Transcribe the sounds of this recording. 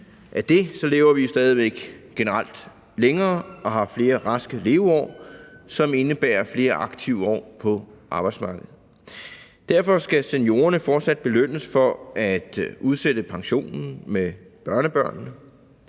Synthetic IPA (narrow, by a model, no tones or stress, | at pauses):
ʔæd̥e̝sɒ̽le̝ːʊɐʋisd̥ɛːð̞ˠiʋeɡ̥ɡ̥e̝nəʁal̰d̥ | leŋɐːʔɒ̽ɦɑ̈fle̝ːɐʁɑ̈sɡ̥əle̝ːʊɒ̰ːsɒ̽me̝nəb̥æ̰ːɐfle̝ːɐʔɑ̈ɡ̥t͡sʰiʊ̰ɒ̰ːpʰɒ̽ʔɑ̈ːb̥ɑ̈ɪdsmɑ̈ːɡ̥əð̩ˠ | d̥æɐfɒ̽sɡ̥æsenjo̝ːɐnəfɒːd̥sæd̥̚b̥e̝løn̰əsfɒ̽æd̥ʔuð̞ˠsed̥əpʰɑ̈ŋɕo̝̰ːnn̩me | b̥ɶɐnəb̥ɶɐ̰nnə